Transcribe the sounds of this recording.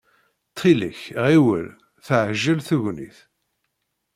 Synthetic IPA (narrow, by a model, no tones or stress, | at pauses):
t͡s̪ʰːilə̰çʁiwə̰l | θəʕʒːəlθuʝnḭθ